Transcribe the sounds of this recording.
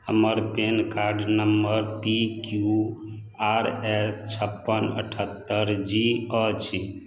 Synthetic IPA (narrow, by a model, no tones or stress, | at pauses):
həməɾpenkaɾɖnəmbəɾpikju | aɾest͡ʃʰəpːənə̰ʈʰət̪ːəɾd͡ʒiət͡ʃʰi